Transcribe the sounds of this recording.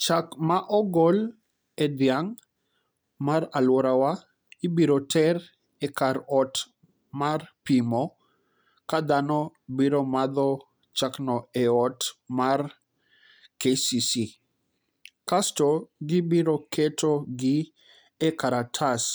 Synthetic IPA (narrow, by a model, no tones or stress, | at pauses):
t͡ʃakmaʔɔɡɔl | ɛd̪jaŋ | maɾalwɔɾawa | ibiɾɔtʰɛɾ | ɛkaɾɔt | marpimɔ | kad̪anɔ | biɾɔmad̪ɔ | t͡ʃaknɔɛɔtmar | kesisi | kastɔɡɪbiɾɔkʰɛtʰɔɡɪ | ɛkaɾatʰas